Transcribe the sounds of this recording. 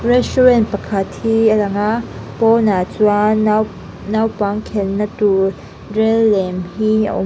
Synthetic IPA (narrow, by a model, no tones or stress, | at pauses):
rɛstuɹɛnt̚pɐkʰɐt̪̚hialɐŋaʔpɔnat͡sua | nawpaŋkʰɛnnatu | rɛlːɛmhiə̰ʔʊ̰